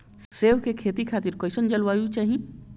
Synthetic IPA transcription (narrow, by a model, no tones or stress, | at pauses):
seʋkekʰet̪ikʰaːt̪iɾkɔɪsənd͡ʒəlʋajut͡ʃaːɦi